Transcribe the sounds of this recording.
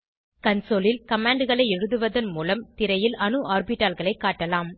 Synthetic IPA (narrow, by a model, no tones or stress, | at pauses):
kɐnsoːlɪlkɐmaːɳɖɯɣɐɭɐɪɛɻɯðɯʋɐðɐnmuːlɐmt̪ɪɾɐjɪlɐnɯʔaːɾbɪʈːaːlɣɐɭɐɪkːaːʈːɐlaːm